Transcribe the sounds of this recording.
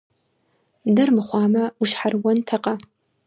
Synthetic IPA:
dɐrmɨχʷɑːmɐʊʃħarwɔntʰɐqʼɐ

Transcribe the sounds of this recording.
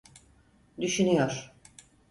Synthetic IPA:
d̪yʃynyjoɾ̥

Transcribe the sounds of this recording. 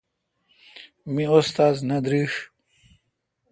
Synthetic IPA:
miost̪aːznɐd̪ɾiʂ

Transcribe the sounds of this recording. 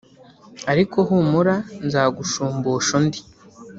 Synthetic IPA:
aɾiko̞ɦuːmuɾanzaːɡuʃuːmbuːʃondi̥

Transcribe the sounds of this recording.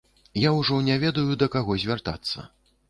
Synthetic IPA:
jawʐɔnʲavʲɛd̪ɐjud̪ɐkaɣɔzʲvʲart̪a̰t̪sːɐ̰

